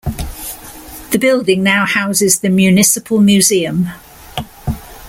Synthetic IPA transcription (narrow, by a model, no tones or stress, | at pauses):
ðəbɪlˠdɪ̃ŋnaʊhaʊzɪzðəmjʉːnɪsɪpʰəlˠmjʉːziːə̃m